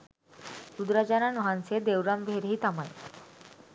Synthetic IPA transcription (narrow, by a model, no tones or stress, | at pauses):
ud̪ɾad͡ʑananɔɦansed̪ewɾambʱeɾɦiːt̪amaj